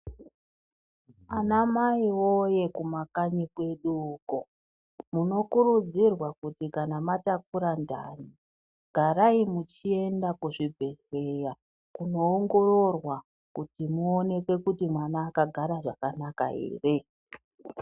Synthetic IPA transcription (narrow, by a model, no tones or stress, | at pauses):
anamaiwo̞je̞kumakaɲikwe̞ɗuko | muno̞kuɾud͡zirwakutikanamatak̚uɾanda̰ːni | ɡ̥ʱaɾaimut͡ʃie̞ndakuʐibʱe̞ɮwe̞ja | kuno̞ːŋɡo̞ro̞rwa | kutimuone̞kwe̞kutimwanaːkaɡʱaɾaʐakanaka̰ḛːre̞